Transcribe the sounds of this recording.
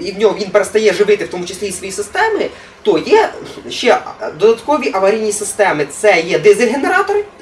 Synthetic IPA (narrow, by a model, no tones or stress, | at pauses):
iwnʲɔmʋʲinpeɾɐst̪ɐjɛʐɨʋɪt̪ɪfwt̪omʊt͡ʃɪsʲlʲejisʋɐjisɪst̪ɛmɪ | t̪ojɛʃːɛd̪ɔd̪ɐt̪kɔʋʲiʔɐʋɐɾʲijnʲisɪst̪ɛmɪt̪sɛjɛd̪ɛzeɦeneɾat̪ɔɾɪ